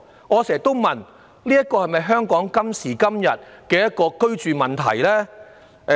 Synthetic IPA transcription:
ŋɔː˨˧sɛː˨˩t̪o˥wmɐ˨n | liː˥jɐ˥t̚kːɔː˧hɐ˨jmɐ˨jɦœː˥ŋkɔː˨˥ŋkɐ˥msiː˨˩kɐ˥mjɐ̰˨t̚kɛː˧jɐ˥t̚kɔː˧kɵ˥ɥt͡ʃyː˨mɐ˨˩nt̪ʰɐ̰˨˩jlɛː˥

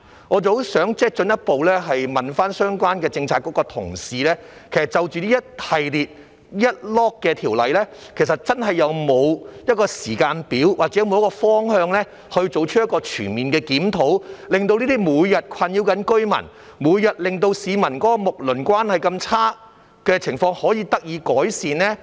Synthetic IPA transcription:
ŋɔː˨˧t͡sɐ˨˧who˨˥wsœː˨˥ŋt͡sɛː˥k̚t͡ʃɵ˨˥njɐ˥t̚po˨wlɛː˥ɦɐ˨jmɐ˨nfaː˥nsœː˥ŋkʷwaː˥nkɛː˧t͡sɪ˧ŋt͡sʰaː˨t̚kːɔː˨˥kɔː˧t̪ʰʊ˨˩ŋsiː˨lɛː˥kʰe˨˩sɐ˨˩t͡sɐ˨˧wt͡ʃyː˨˧liː˥jɐ˥t̚hɐ˨jliː˨t̚ | jɐ˥t̚lɔː˥kːɛː˧t̪ʰiː˨˩wlɐ˨jlɛː˥ | kʰe˨˩s̬ɐ˨t̚t͡sɐ˥nɦɐ˨jːɐ˨˧wmo˨˧wjɐ˥t̚kɔː˧siː˨˩kaː˧npiː˨˥wwʔaː˨k̚t͡sɛ˨˥jm˨˧wkɔː˧fɔː˥ŋhœː˧ŋlɛː˥ | hɵ˧ɥt͡so˨wt͡ʃʰɵ˥jɐ˥t̚kɔː˧t͡ʃʰyː˨˩nmiː˨nkɛː˧kiː˨˥mt̪ʰo˨˥wlɪ˨ŋt̪o˧wniː˥t̪iː˥muː˨˧jjɐ˨t̚kʷʰɐ˧njiː˧wkɐ˨˥nkɵ˥ɥmɐ̰˨˩n | muː˨˧jːɐ˨t̚lɪ˨ŋt̪̬o˧wsiː˨˧mɐ˨˩nkɔː˨˥kɔː˧mʊ˨k̚lɵ˨˩nkʷwaː˥nhɐ˨jkɐ˧mt͡sʰaː˥ | kɛː˧t͡sʰɪ˨˩ŋfɔː˧ŋhɔː˨˥jiː˧t̪ɐ˥k̚jiː˨˧kɔː˨˥jsiː˨nɛː˥

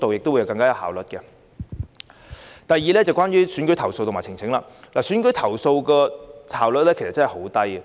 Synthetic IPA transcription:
t̪o˨wjɪ˨k̚t̪wjɐ˧wkɐ˧ŋkaː˥jɐ˨˧whaː˨wlɵ˨t̚kɛ˧ | t̪ɐ˨jːiː˨lɛː˥t͡sɐ˨wkʷaː˥nɥyː˥syː˨˥nkɵ˧˥t̪ʰɐ˨˩wso˧wt̪o˨maː˨˩t͡sʰɪ˨˩ŋt͡sʰɪ˨˥ŋla̰ː˧laː˨˩syː˨˥nkɵ˧˥jt̪ʰɐ˨˩wso˧wkɛː˧haː˨wlə˨t̚lɛː˥ke˨˩sɐ˨t̚t͡sɐ˥hho˨˥wt̪ɐ˥jɛ˨

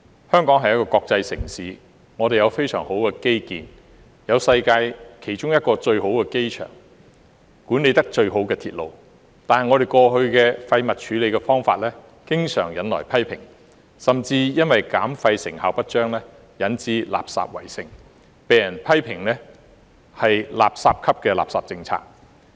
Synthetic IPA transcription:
hœː˥ŋkɔː˨˥ŋɦɐ˨jkɔː˧kɔː˧k̚t͡sɐ˧jsɪ̰˨˩ŋsiː˨˥ | ŋɔː˨˧ɾe˨jɐ˨˧wfe˥jsœ̰ː˨˩ŋho˨˥wkɛː˧ke˥jkiː˨n | jɐ˨˧wsɐ˧jkaː˧jkʰe˨˩jt͡ʃʊ˥ŋjɐ˥t̚kɔː˧t͡ʃɵ˧ɥho˨˥wkɛː˧ke˥jt͡ʃʰœ̰ː˨˩ŋ | kuː˨˥nːe˨˧jt̪ɐ˥k̚t͡ʃɵ˧ɥɦo˨˥wkɛː˧t̪ʰiː˨t̚lo̰˨w | t̪aː˨nhɐ˨˩ŋɔː˨˧ɾe˨˩jkɔː˧ɦɵ˧ɥkɛː˧fɐ˧jmɐ˨t̚t͡ʃʰyː˨˧le˨˧jkɛː˧fɔː˥ŋfa̰ː˧t̚lɛː˥ | kɪ˥ŋsœ̰ː˨˩ŋjɐ˨nlɔ̰˨˩jpʰɐ˥jpʰɪ̰˨˩ŋ | sɐ˨mt͡siː˧jɐ˥nwɐ˨jkaː˨˥mfɐ˧jsɪ˨˩ŋhaː˨˩wpɐ˥t̚t͡ʃœː˥ŋlɛː˥ | jɐ˨˥nt͡siː˨˥la̰ː˨p̚sa̰ː˧p̚wɐ̰˨˩jsɪ˨ŋ | peː˨jɐ˨˩npʰɐ˥jpʰɪ˨˩ŋlɛː˥ | hɐ˨jla̰ː˨p̚saː˧p̚kʰɐ˥p̚kɛː˧la̰ː˨p̚sa̰ː˨p̚t͡sɪ˧ŋt͡sʰa̰ː˧k̚

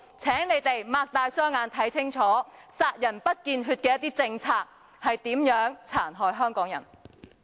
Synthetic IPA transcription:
t͡sʰɛː˨˥ŋne˨˧jt̪e˨jmaː˧k̚t̪aː˧jsœː˥ŋaː˨˧nt̪ʰɐ˨˥jt͡sʰɪ˥ŋt͡sʰɔː˨˥saː˧t̚jɐ˨˩npɐ˥t̚kiː˧nɦyː˧t̚kɛː˧jɐ˥t̪iː˥t͡sɪ˧ŋt͡sʰaː˧k̚ | hɐ˨jt̪iː˨˥mjœː˨˥ŋt͡sʰaː˨˩nɦɔː˨jɦœː˥ŋkɔː˨˥ŋjɐ̰˨˩n

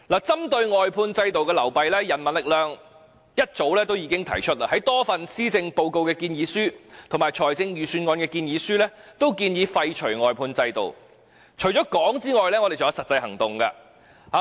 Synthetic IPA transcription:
laː˨˩t͡sɐ˥mt̪ɵ˧ɥŋɔː˨jpʰuː˧nt͡sɐ˧jt̪o˨wkɛː˧lɐ˨˩wpɐ˨jlɛː˥jɐ˨˩nmɐ˨˩nlɪ˨k̚lœː˨ŋ | jɐ˥t̚t͡so˨˥wlɛː˥t̪o˥wjiː˨˧kɪ˥ŋt̪ʰɐ̰˨˩jt͡ʃʰɵ˥t̚la̰˧ɦɐ˨˥jt̪ɔː˥fɐ˨nsiː˥t͡sɪ˧ŋpo˧wko˧wkɛː˧kiː˧njiː˨˧syː˥t̪ʰʊ˨˩ŋmaː˨jt͡ʃʰɔː˨˩jt͡sɪ˧ŋjyː˨syː˧nŋɔː˧nkɛː˧kiː˧njiː˨˧˥syː˥lɛː˥t̪o˥wkiː˧njiː˨˧fɐ˧jt͡ʃʰɵ˨˩ɥŋɔː˨˩jpʰuː˧nt͡sɐ˧jt̪o̰˨w | t͡ʃʰɵ˨˩ɥt͡ʃɔː˨˥kɔː˨˥ŋt͡siː˥ŋɔː˨jlɛː˥ŋɔ˧e˨jt͡sɐ˨jɐ˨˧sɐ˨t̚t͡sɐ˧jhɐ˨˩ŋt̪ʊ˨ŋka̰˧ | ha˨˧

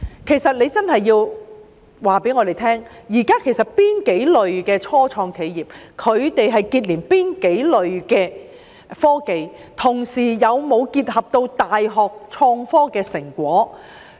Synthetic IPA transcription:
kʰe˨˩jsɐ˨t̚le˨˧jt͡sɐ˥nhɐ˨jːiː˧w | waː˨pe˨˥jŋɔ˨˧d̪e˨jt̪ʰɛː˥ŋjiː˨˩kaː˥kʰe˨˩jsɐ˨t̚piː˥nke˨˥jlɵ˨ɥkɛː˧t͡ʃʰɔː˥t͡ʃʰɔː˧ŋkʰe˨˧jjiː˨˩p̚kʰɵ˨˧ɥt̪e˨jɦɐ˨jkiː˧t̚liː˨˩npiː˥nke˨˥jlɵ˨ɥkɛː˧ | fɔː˥ke˨jt̪ʰʊ˨˩ŋsiː˨˩jɐ˨˧wmo˨˧wkiː˧t̚hɐ˨p̚t̪o˧wt̪aː˨jɦɔː˨k̚t͡sʰɔː˧ŋfɔː˥kɛː˧sɪ˨˩ŋkʷɔː˨˥

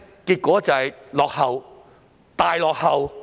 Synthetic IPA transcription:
kiː˧t̚kʷɔː˨˥t͡sɐ˨hɐ˨jlɔː˨k̚hɐ˨w | t̪aː˨˧jlɔː˨k̚hɐ˨w

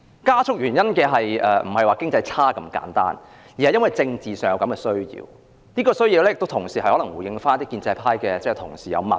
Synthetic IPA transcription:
kaː˥t͡sʰʊ˥k̚jyː˨˩njɐ˥nkɛː˧ɦɐ˨jʔɛː˨m̩˨˩ɐ˨jwaː˨˩kɪ˥ŋt͡sɐ˧jt͡sʰaː˥kɐ˧mka̰ː˨˥nt̪a̰ː˥n | ji˨hɐ˨jːɐ˥nwɐ˨jt͡sɪ˧ŋt͡siː˨sœː˨˩ŋjɐ˨˧wkɐ˨˥mkɛː˧sɵ˥ɥjḭː˧w | niː˥kɔː˧sɥjiː˧wlɛː˥jɪ˨k̚t̪o˥wt̪ʰʊ˨˩ŋsiː˨˩ɐ˨˩jhɔː˨˥lɐ˨˩ŋwuː˨˩jɪ˧ŋfaː˥nt̪iː˥kːiː˧nt͡sɛ˧pʰaː˥jkɛː˧t͡sɛ˥ɛ˨˩t̪ʰʊ˨˩ŋsiː˨jɐ̰˨˧wmɐ̰˨˩

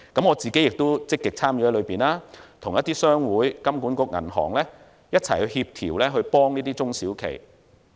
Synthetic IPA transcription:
kɐ˨˥mŋɔː˨˧t͡siː˨ke˨˥jɪ˨k̚t̪o˥wt͡sɪ˥kːɪ˨k̚t͡sʰaː˥mjyː˧˥hɐ˨˥jlɵ˨˧piː˨˩nlaː˥t̪ʰʊ˨˩ŋjɐ˥t̪iː˥sœː˥ŋwuː˨˥jkɐ˥mkuː˨˥nkʷʊ˧k̚ŋɐ̰˨˩nɦɔ̰ː˨˩ŋlɛː˥ | jɐ˥t̚t͡sʰɐ˨˩jhɵ˧whiː˧p̚t̪ʰḭː˨˩wlɛː˥ɦɵ˧ɥpɔː˥ŋniː˥t̪iː˥t͡sʊ˥ŋsiː˨˥wkʰḛ˨˩j

